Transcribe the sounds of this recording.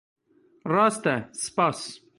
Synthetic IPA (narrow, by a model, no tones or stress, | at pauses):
rast̪ɛspas